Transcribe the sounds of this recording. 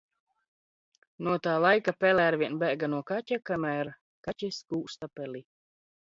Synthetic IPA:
nuɔt̪aːlˠajkapɛlɛaɾvʲiɛnbæːɡanuɔkatʲakamæːɾ | kacʲisɡuːst̪apɛli

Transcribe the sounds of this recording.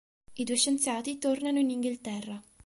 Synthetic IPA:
id̪uːeʃːent̪sjaːt̪it̪ornanoiniŋɡilt̪ɛrːa

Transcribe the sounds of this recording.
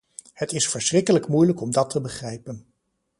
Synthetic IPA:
hətɪsfəɹsrɪkələkmujləkɔmdɑtʰəbəχrɛjpən

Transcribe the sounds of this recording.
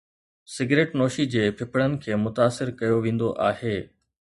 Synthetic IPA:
sɪɡɾeːʈnoːʃid͡ʑeːpʰɪpʰɽənɪ̆kʰeːmʊt̪aːsɪɾkɐjoʋẽːn̆d̪oʔaːheː

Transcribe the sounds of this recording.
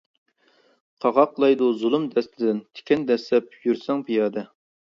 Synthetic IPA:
qʰɑʁɑqlˠɑjd̪uzulˠumd̪ɛst̪ɪd̪ɪnt̪ʰɪ̥kʲʰɛnd̪ɛslɛp̚jyɾsɛŋpʰijɑːd̪ɛ

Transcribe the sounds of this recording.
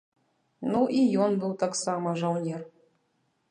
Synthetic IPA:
nuʔijɔnbɨwt̪aksamɐʐawnʲɛr

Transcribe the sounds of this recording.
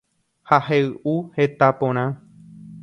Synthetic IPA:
haheɨʔuhe̞t̪apõɾ̃ã

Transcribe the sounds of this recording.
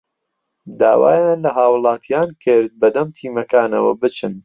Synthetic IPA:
d̪a̰ːwa̰ːjaːnlɐɦaːwlˠɑːt̪ʰijaːnkʰɨɾt̪̚bɐd̪ɐmt̪ʰiːmɐkaːnɐ̰wɐ̰bɨt͡ʃɨn

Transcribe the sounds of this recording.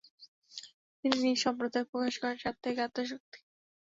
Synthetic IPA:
t̪ininiʃɔmpɾod̪ok̚pɾokaʃkɔɾaɾʃat̪ʰːekeat̪ːoʃ̬ok̚t̪i̥

